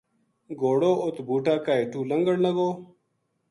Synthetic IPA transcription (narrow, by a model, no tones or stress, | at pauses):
ɡoːɽoːʔot̪buːʈaːkaːeʈuːlɐŋɡəɽnɐɡoː